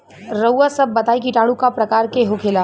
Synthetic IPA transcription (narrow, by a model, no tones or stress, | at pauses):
ɾəwasɐbːɐt̪aːikiʈaːɽ̃ũkapɾɐkaːɾkeɦokʰeːlaː